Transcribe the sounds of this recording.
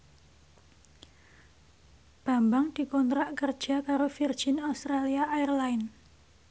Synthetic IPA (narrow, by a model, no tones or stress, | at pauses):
b̥a̤mbaŋd̪̥i̤kɔnt̪ɾaʔkərd̥ʒ̥a̤kaɾofird̥ʒ̥inaust̪ɾaliaʔːɛrlaɪn